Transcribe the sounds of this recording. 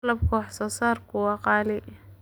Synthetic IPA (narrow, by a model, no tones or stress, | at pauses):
lɐb̚kʰɔːħsɔːsaːrkʰʊwɑqɑːlɪ